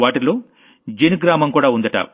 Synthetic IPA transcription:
ʋaːʈiloː | d͡ʒeniɡɾaːmɐmkuːɽaːund̪ɐʈɐ̰

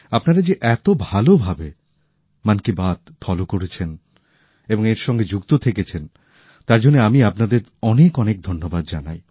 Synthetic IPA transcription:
apnaɾad͡ʑeʔɛt̪obʱalobʱabe | mankibat̪fʰɔlokoɾet͡ɕʰen | eboŋeɾʃɔŋɡed͡ʑukt̪ot̪ʰeket͡ɕʰen | t̪aɾd͡ʑonːeamiapnad̪eɾɔnekɔnek̚d̪ʱonːobad̪d͡ʑanaj

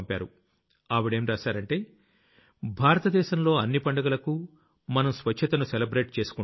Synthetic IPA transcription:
mpaːɾu | aːʋiɽe̞ːmɾaːsaːɾɐɳʈe̞ː | bʱaːɾɐt̪ɐd̪ɛːʃɐmlo̞ːɐnːipɐɳɖɐɡɐlɐku | mɐnɐmsʋɐt͡ʃʰːɐt̪ɐnuselɐbɾe̞ːʈt͡ʃe̞ːsu̥ku

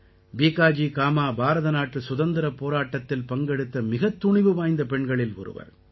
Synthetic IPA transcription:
biːkaːd͡ʒikaːmaːbʱaːɾɐðɐnaːʈrɯsʊðɐnd̪ɪɾɐpoːɾaːʈːɐt̪ːɪlpɐŋɡɛɽɯt̪ːɐmɪɣɐt̪ːʊɳɪʋɯʋaːjnd̪ɐpɛɳɡɐɭɪlɔ̰ɾɯ̰ʋɐ̰ɾ

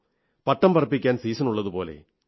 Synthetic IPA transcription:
pɐʈːɐmpɐrɐpːikʲːaːnsiːsɐnuɭːɐðupo̞̰ːlḛ

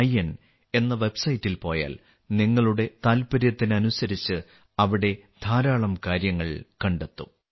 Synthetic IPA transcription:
ɐjen | e̞nːɐʋe̞bsɐjitːilpo̞ːja̰ːl | niŋːɐɭuɽe̞t̪aːlpɐɾjɐt̪ːinɐnusɐɾit͡ɕːɨ | ɐʋiɽe̞d̪ʱaːɾaːɭɐmkaːɾjɐŋːɐɭkɐɳɖet̪ːu

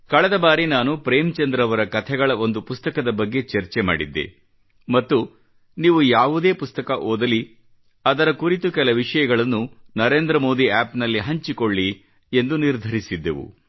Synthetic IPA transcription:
kɐɭɛd̪ɐbaːɾinaːnupɾeːmt͡ʃɐnd̪ɾɐʋɐɾɐkɐt̪ʰɛɡɐɭɐo̞nd̪upust̪ɐkɐd̪ɐbɐɡːe̞t͡ʃeɾt͡ʃema̰ːɽid̪ːḛ | mɐt̪ːu | niːʋujaːʋud̪e̞ːpust̪ɐkɐʔoːd̪ɐli | ɐd̪ɐɾɐkuɾit̪ukɛlɐʋiʂɐjɐɡɐɭɐnːunɐɾe̞ːnd̪ɾɐmo̞ːd̪iaːpnɐlːiɦɐɲt͡ʃikoɭːi | e̞nd̪uniɾd̪ʱɐɾisid̪ːḛʋṵ

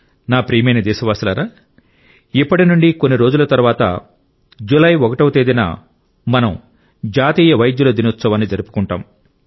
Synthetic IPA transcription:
naːpɾiːmɐjnɐd̪ɛːʃɐʋaːsilaːɾaː | ipːɐʈinuɳɖikonːiɾo̞ːd͡ʒulɐt̪ɐɾʋaːt̪ɐ̰ | d͡ʒulɐjʋokɐʈɐwt̪eːd̪ina̰ | mɐnɐm | d͡ʒaːt̪iːjɐʋɐjɐd̪juloːd̪inut̪sɐʋɐːnid͡ʒɐɾupu̥kuɳʈa̰ːm

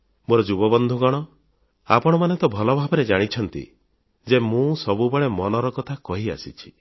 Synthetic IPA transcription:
moɾɔd͡ʒubɔbɔnd̪ʱuɡɔɽ̃ɔ | a̰pɔɽ̃ɔmanet̪ɔbʱɔlɔbʱabɔɾed͡ʒaɽ̃it͡ʃʰɔnt̪ḭ | d͡ʒemũsɔbubɔɭemɔnɔɾɔkɔt̪ʰakɔɦia̰sit͡ʃʰi̥

